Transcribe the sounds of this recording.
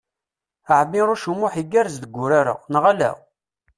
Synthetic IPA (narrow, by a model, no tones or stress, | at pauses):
aʕəmːiɾˤʊʃumːʊħiɡːæɾzd̪əɡʷːʊɾaɾa̰nʁalæ̰